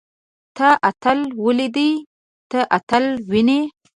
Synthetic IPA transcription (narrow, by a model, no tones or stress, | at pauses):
t̪aʔat̪alwəlid̪əj | t̪aʔat̪alwine